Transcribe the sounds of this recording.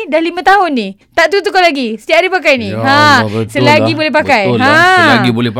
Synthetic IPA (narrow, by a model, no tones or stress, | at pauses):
dalimə̃t̪aɦʊnːit̪aʔt̪ut̪̬ukalaɡisə̥t̪iaʔdipakajnĩãsəlaɡibolɛhpakajãlaɡibolɛp